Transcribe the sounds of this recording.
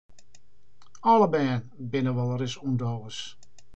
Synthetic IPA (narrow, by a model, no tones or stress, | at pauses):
ɔləbɛːn | bɪnəʋɔlˠəɾɪsundoːəs